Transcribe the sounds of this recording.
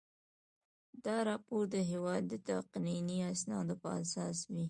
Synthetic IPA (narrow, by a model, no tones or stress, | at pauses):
d̪ɑɾɑpoɾd̪əɦewɑd̪ːət̪aqniniasnɑd̪opəa̰sɑswi